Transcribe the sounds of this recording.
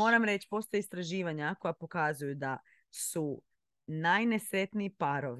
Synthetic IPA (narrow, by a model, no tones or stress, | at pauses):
o̞ːɾamɾe̞t͡ʃi̥po̞st̪o̞jeist̪ɾaʒiːʋaɲakojapo̞kazujud̪a | su | najne̞sɾe̞t̪niipaɾoʋ